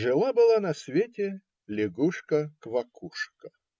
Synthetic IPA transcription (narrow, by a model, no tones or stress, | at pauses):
ʐɨlˠabɨlˠanɐsvʲetʲɪ | lʲɪɡuʂkəkvɐkuʂkə